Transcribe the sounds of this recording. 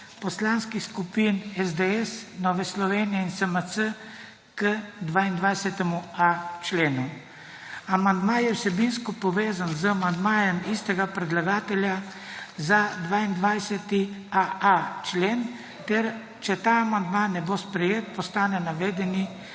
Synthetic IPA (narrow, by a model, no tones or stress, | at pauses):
pɔslaːnskixskupinɛzd̪eɛsnɔːʋɛslɔʋeːnijɛinsəməsə | kəd̪ʋaind̪ʋajsɛt̪ɛmuat͡ʃleːnu | amand̪majɛwsɛbinskɔpɔʋeːzanzəamand̪maːjɛmist̪ɛɡapɾɛd̪laɡaːt̪ɛlja | zad̪ʋaːind̪ʋajsɛt̪iaat͡ʃleːn | t̪ɛɾ | t͡ʃɛt̪aːmand̪maːnːɛbospɾɛjeːt̪̚pɔst̪aːnɛnaʋeːd̪ɛni